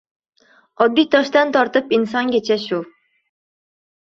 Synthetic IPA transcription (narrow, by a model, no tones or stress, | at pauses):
ɒd̪̚bit̪ʰɒʃt̪ɑnt̪ʰɒɾt̪əpinsɑŋkʲet͡ʃɛʃu